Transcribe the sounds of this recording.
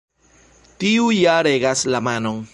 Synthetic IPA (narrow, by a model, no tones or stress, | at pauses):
tiujaɾeɡaslamano̞ŋ